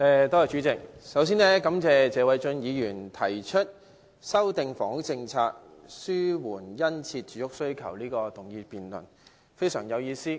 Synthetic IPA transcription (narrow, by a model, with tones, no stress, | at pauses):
ɛ˧t̪ɔː˥jɔ˨t͡ʃyː˨˥t͡sɪ˨k̚sɐ˨˥ws̬iː˥nlɛː˥kɐ˨˥mt͡sɛː˨˧t͡sɛː˨˧wɐ˨˧jt͡sɵ˧njiː˨˧jyː˨˩nt̪ʰɐ˨˩jt͡ʃʰɵ˥t̚ | sɐ˥wt̪ɪ˨ŋfɔː˨˥ŋ˥t͡sɪ˧ŋt͡sʰaː˧k̚syː˥wuː˨˩njɐ˥nt͡sʰiː˧t̚t͡ʃyː˨˥jʊ˥k̚sɵ˥ɥkʰɐ˨˩wliː˥kɔː˧t̪ʊ˨˩ŋjiː˧piː˨nlɵ̰˨˩n | fe˥jsœ̰ː˨˩ŋjɐ˨˧wjiː˧siː˥